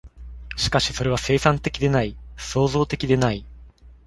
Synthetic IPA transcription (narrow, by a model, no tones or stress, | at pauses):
ɕi̥kaɕi̥so̞ɾe̞βase̞ːsãnt̪e̞kʲid̪e̞naiso̞ːzo̞ːt̪e̞kʲid̪e̞nai